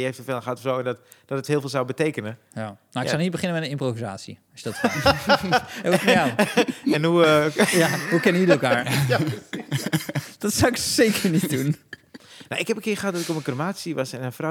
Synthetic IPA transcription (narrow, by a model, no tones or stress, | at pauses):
əefthəfeːlˠxəhatfzowɛndɔt | d̥ɔtəthɪːlˠfɪːlˠzawbəteːkənə | janaɪksanit̚bəχɪnənmɛtənɪmproviza̰ːtsjḭɔsjədɔt | aɛnhujaɦukɛnəydəɛlˠkaːɹ | d̥ɔtsawɪksekəɹnit̚dun | na̰wɪkhɛpənkɪəχəɦat̚dɔtɪkɔməkromaːsiʋɔsɛnəfra